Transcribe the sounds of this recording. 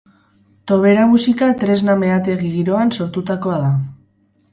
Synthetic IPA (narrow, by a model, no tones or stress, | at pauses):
t̪o̞β̞e̞ɾamusikat̪ɾezname̞at̪e̞ɣiɣiɾo̞anso̞ɾt̪ut̪ako̞aða